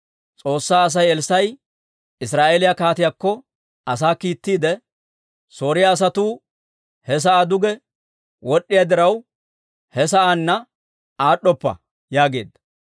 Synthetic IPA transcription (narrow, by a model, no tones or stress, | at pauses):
t͡sʼo̞ːsːaːɐs̬ɐjɛlsɐj | ɪsɾaːʔeːlɪjɐkaːt̪ɪjakːɔ | ʔɐsaːkiːt̪ːiːd̪ɛ | so̞ːɾɪjaːs̬ɐt̪uː | hɛs̬ɐʔaːd̪ʊɡɛ | wʔɔɗːɪjɐd̪ɪɾɐw | hɛs̬ɐʔanːɐ | aːɗːɔpːɐ̰ | jaːɡe̞̰ːd̪ːɐ